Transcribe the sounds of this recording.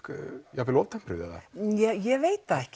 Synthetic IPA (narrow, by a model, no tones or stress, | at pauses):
kjɛɣvɪlɔwvt̪ʰɛmpʰɾɪ̰vða̰ða̰jɛjɛveːjt̪aɛhc